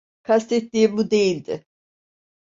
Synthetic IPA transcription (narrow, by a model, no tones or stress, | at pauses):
kʰast̪ʰet̪ːiːbud̪e̞jilʲd̪ɪ̰